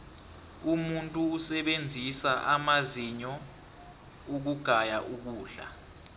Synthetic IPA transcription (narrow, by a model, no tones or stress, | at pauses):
umuntʼuːsɛɓend͡zʱisaʔamaziɲɔ | uk̬uɡ̥ʱajaʔuk̬uːɮa̰